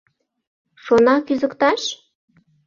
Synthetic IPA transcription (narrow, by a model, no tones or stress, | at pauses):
ʃonɑkyzəkt̪ɑʃ